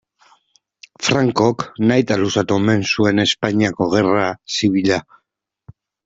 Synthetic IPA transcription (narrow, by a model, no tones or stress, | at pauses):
fɾaŋko̞knajt̪alusat̪ueme̞nsue̞ne̞spaɲiako̞ɣ̞e̞rasiβiʎa